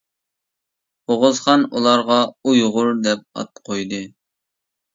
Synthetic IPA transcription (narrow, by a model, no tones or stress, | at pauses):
oʁʊzχɑnṵlˠɑɾʁɑujʁʊɾd̪ɛp̚ɑ̰t̪̚qʰojd̪ɨ